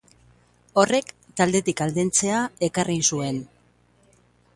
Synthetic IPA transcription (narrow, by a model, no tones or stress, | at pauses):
o̞re̞k | t̪ald̪e̞t̪ikald̪ent͡se̞ae̞karʔinsue̞n